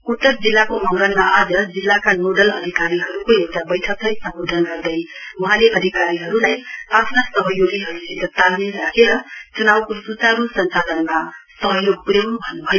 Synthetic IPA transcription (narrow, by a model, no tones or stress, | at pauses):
ut̪ːʌɾd͡zilːakomʌŋɡʌlmaad͡zʌd͡zilːakanoɖʌlʌ̰d̪ʱikaɾiɦʌɾukojekt̪abʌjʈʰʌk̚t̪ʌjsʌmbod̪ʱʌnɡʌɾd̪ʌjuɦãleʔʌd̪ʱikaɾiɦʌɾulajapʰnasʌɦʌjoɡiɦʌɾusiɡ̪ʌt̪almiɾakʰeɾʌt͡sunawkosut͡saɾusʌnt͡salʌnmasʌɦʌjoɡ̚puɾembʱʌnubʱʌj